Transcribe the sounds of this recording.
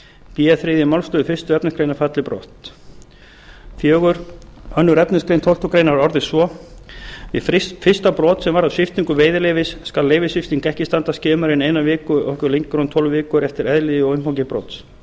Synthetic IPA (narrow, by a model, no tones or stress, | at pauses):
pijaθɾeːðɪmawlst̪œːðʏfɪst̪ʏɛpnɪskɾeːjnafat̪lɪpɾɔ̰ːht̪ | θjœːɣʏɾœnːʏɾɛpnɪskɾejnt̪ʰow̪t̪ɔkɾejnaɾɔɾðɪsvɔ | vɪ̰ðffɪ̥st̪apɾɔːt̪sɛmvaɾaðsɪft̪iŋkʏveːjðɪleːjvɪsːkalːeːjvɪsɪft̪iŋkɛhcɪst̪ant̪ascɛːmaɾɪneːjnavɪːkʏɔhkʏlejŋkːɾɔnt̪ʰɔwlvvɪːkʏɾɛft̪ɪɾɛðlɪðɪɔɣʏmhawcɪpɾɔ̰ːt̪s